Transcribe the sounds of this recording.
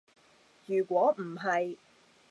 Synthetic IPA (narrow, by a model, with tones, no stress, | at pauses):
jyː˨˩kʷɔː˨˥m̩˨˩ɦɐ˨j